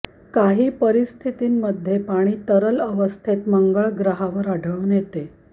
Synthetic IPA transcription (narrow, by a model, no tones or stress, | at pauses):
kaɦiːpəɾist̪ʰit̪iːmːəd̪ʱːjepaɽ̃iːt̪əɾələʋəst̪ʰet̪məŋɡəɭɡɾəɦaʋəɾaɖʱəɭunjet̪e